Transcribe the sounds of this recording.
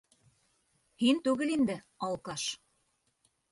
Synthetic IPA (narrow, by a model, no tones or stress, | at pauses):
hint̪uɣɘ̆lind̪ɘ̆ | ɑlˠkɑʃ